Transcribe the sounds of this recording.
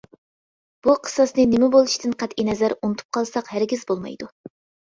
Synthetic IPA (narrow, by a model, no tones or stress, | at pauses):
b̥uqʰə̥sɑsnɨnɪmɪbolˠɨʃt̪ɨnqʰæt̪inɛzæɾunɨt̪ʰu̥p̚qʰɑlˠsɑqhæɾɡʲizbolˠmɑ̰jd̪u